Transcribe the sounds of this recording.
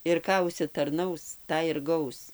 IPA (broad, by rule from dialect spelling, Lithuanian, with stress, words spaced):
ɪr ˈkɑː ʊʃʲsʲɪtɐrˈnɐʊs ˈtɑː ɪr ˈɡɐʊs